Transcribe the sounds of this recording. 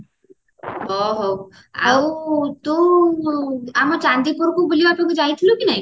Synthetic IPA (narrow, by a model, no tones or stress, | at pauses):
ɦɔɦɔ | a̰wt̪o | amɔt͡ʃand̪ipoɾkubolioapnekud͡ʒajt̪ʰilukinaɦĩ